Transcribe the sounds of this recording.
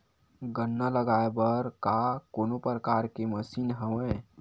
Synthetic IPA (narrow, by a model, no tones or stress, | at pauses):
ɡənːaləɡaebəɾkakoːnopɾəkaɾkeməsiːnɦəʋə̃